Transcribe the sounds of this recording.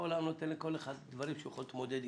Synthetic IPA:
olamno̞t̪enleko̞leχad̪dvaɾimʃejuχolt̪mod̪ed̪

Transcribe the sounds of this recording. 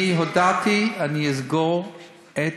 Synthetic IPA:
iɦodat̪ianiizɡoʁ | e

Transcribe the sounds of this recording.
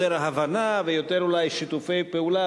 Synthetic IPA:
eɾaɦavanavejot̪eɾulajʃit̪ufejpeula

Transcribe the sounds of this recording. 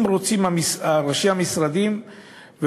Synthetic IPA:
mɾot͡simamisaɾaʃimamisɾad̪im | ve

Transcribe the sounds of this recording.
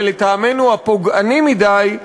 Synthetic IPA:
let̪aːmenuapoɡanimid̪aj

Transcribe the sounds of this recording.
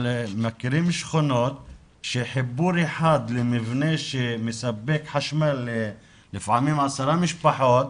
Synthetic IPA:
lemakiɾimʃχonot̪̚ | ʃeħibuɾeħad̪lemivneʃemesabːekħaʃmalːeː | ifʕamimʕasaɾamiʃpaħot̪̚

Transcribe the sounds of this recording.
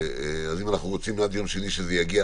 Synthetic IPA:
azimanaχnuʁot͡simadjo̞mʃeniʃezejaɡia

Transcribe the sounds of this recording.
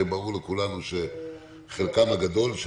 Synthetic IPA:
ebaulekulanuʃe | χelkamhaɡad̪o̞lʃ

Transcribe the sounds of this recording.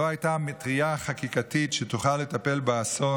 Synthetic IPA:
oajtametʁiaχakikatitʃet̪uχalːe̞tape̞lbaaso̞

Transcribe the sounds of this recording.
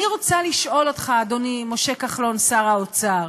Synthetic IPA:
niʁot͡saliʃʔo̞lo̞t̪χaːd̪onimo̞ʃe̞kaχlo̞nsaʁaot͡saʁ

